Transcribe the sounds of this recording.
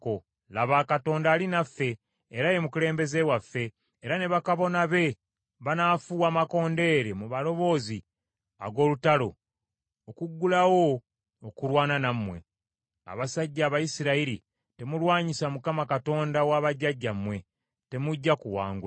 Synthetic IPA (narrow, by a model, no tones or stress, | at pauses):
ko | laβaːkato̞ːndaːlinafːe̞ː | ɾaje̞mukule̞ːmbe̞ze̞wafːe̞ː | ɾane̞βakaβo̞naβe̞ | βanaːfuwaːmako̞ːnde̞ɾe̞muβalo̞βo̞ːzi | a̰ɡo̞ːlutalo̞ | okuɡːulawo̞ː | kulwaːnanamːwe̞̰ | a̰βasaɟːaːβajisiɾaiɾi | te̞mulwaːɲisamukamakato̞ːndawaːβaɟːaɟːamwe̞ | te̞muɟːakuwa̰ːŋɡua